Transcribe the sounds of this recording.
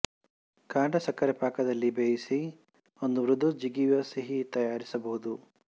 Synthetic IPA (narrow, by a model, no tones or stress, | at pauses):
kaːɳɖɐsɐkːɐɾɐpaːkɐd̪ɐlːibeːjisi | o̞nd̪uʋɾud̪ʱud͡ʒiɡiʋɐsiɦit̪ɐjaːɾisɐbɐɦud̪u